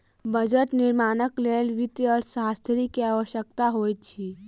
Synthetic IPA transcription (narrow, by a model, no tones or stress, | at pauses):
bəd͡ʒəʈnɪɾmaːnəkleːlʋɪt̪iɔːɾsaːst̪ʰɾikiaːʋəʃjəkt̪aɦoːit͡ʃʰiː